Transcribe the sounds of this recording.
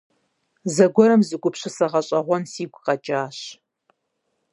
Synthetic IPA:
zɐɡʷɔɾɐmzɨɡʷʼʊpɕɪsɐʁɐɕʼɐʁʷɔnsiːɡʷqɐt͡ʃʼaːɕ

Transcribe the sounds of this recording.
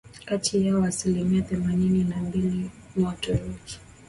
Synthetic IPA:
katʰijaɔasilimiaθɛmanininambili | mɔtɔɾɔki̥

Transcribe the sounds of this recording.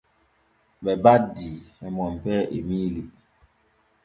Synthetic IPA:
bɛbadiːɛmɔmpɛʔemiːli

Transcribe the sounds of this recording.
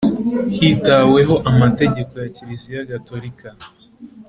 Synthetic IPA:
hitawe̞ɦo̞ʔamate̞ɟe̞ko̞jaciɾizijaɡato̞ɾika

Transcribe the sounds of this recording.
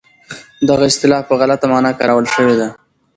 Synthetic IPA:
d̪aɣaɪst̪ɪlɑfpəɣalat̪amɑnɑkɑ̰ɾawəlʃəwed̪a

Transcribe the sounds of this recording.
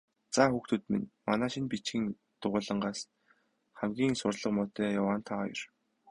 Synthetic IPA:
t͡saxuxt̪ʰŭːt̪mḭnmanæːʃinpit͡ɕxĭŋ | t̪ʊʁʊːɮə̆ɴɢaːs | χæmɡʲiːŋsʊrɮə̆qmɔːt̪œːjawaːnt̪ʰajɞ̰r

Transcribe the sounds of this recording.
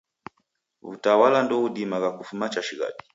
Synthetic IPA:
ṵtawalandɔudimaɡakufumat͡ʃaʃiɣa̰ɗi̥

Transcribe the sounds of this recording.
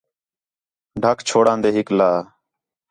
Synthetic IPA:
ɖʱaːkʰt͡ʃʰoːɽãːnd̪eːɦɪklaː

